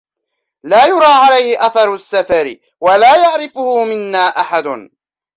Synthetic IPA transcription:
laːjʊɾˤɑːʕalajhɪʔaθɑɾˤʊsːafaɾɪ | walaːjaʕɾɪfʊhʊmɪnːaːʔaħad̪ʊn

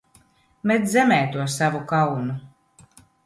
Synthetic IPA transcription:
met̪zʲɛmɛːt̪uɔssavukawnu

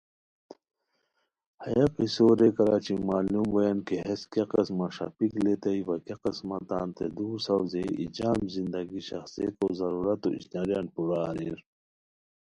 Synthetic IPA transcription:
hɐjɐqisoːɾekɐɾaːt͡ɕimaːlumwɐjɐnkeɦeskɐqɐsmaʂɐ̰piklet̪ɐiʋɐkeqismɐt̪aːnt̪ʰḛd̪uːɾsɐwzeḭd͡ʑaːmzind̪ɐɡiɕɐxsijet̪ozɐɾuːɾɐt̪o̰ḭsd̪aɾjaːnpuɾaɾiɾ

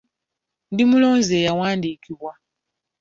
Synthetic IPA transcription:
ndimulo̞ːnze̞ːjawaːndiːkiβwa

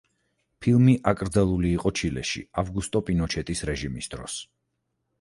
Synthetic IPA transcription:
pʰilˠmiʔakʼɾd̪zalˠuliːqʼɔt͡ʃʰilɛ̰ʃḭavɡust̪ʼɔpʼinɔt͡ʃʰɛt̪ʼisɾɛʒimisd̪̥ɾɔ̰s

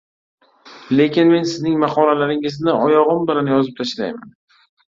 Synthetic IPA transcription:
le̞kʲɪnme̞nsɪznɪŋmaχɒnalaɾɪŋɪznɪɒjɒʁɨmbɪlanjɒzɪp̚t̪ʰaʃla̰jma̰n

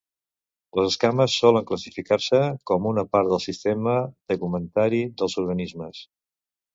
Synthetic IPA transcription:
ləzəskaməsːɔləŋkləsifikarsəkɔmunəpaɾt̪d̪əlˠsist̪ɛməðəkumənt̪aɾiðəlˠzuɾɣənizməs

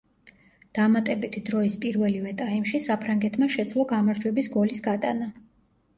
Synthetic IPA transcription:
d̪̥amat̪ʼɛbit̪ʰid̪ɾɔispʼiɾvɛlivɛt̪ʼaimʃisapʰɾaŋɡɛt̪ʰmaʃɛd̪sʰlˠɔɡamaɾd͡ʒwɛbisɡɔlisɡat̪ʼana

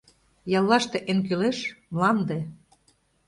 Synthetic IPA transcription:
jɑlˠːɑʃt̪eʔenkyleʃmlɑnd̪e

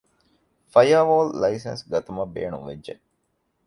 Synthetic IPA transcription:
fɐjaʋoːllɐisḛnsɡɐt̪ɐmɐbḛːɳṵ̃ʋed͡ʒd͡ʒe

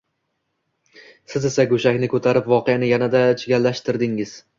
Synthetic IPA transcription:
sɪze̞saɡoʃakʲnɪkʰɵt̪ʰaɾɪpvɒqejanɪjanad̪at͡ʃʰɪɡʲalːaʃt̪ɪɾd̪ɪŋɪz̥

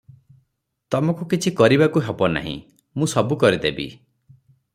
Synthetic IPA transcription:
t̪ɔmɔ̃kukit͡ʃʰikɔɾibakuɦebɔna̰ɦḭ̃ | mũsɔbukɔɾid̪ebḭ

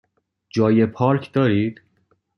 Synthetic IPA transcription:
d͡ʒɒːjepʰɒːɾkʰd̪ɒːɾiːd̪̥

